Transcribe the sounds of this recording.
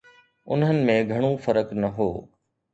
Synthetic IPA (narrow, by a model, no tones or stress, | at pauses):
ʊ̰nɦənɪ̆mẽɡʱɐɽ̃ofəɾəknɐɦoː